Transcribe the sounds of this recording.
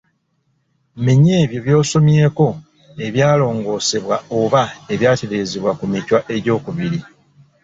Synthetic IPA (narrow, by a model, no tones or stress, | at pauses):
miɲe̞ːβjo̞βjo̞ːso̞mje̞ːko̞ | e̞βjaːlo̞ːŋɡo̞ːse̞βwaoβae̞βjaːte̞ɾe̞ːzeβwakumicwaʔe̞ɟo̞ːkuβiɾi